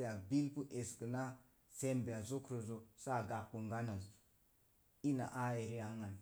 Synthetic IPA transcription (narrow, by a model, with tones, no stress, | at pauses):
ja˨bi˦lpu˦ʔe˨skə˨na˦ | se˦mbe˨a˨zo˦kɾo˨zo˨sa˦˨ɡa˨kːu˨ŋɡa˦na˨z | i˦na̰˨ʔa˦je˨ɾi˦a˨ŋa˨n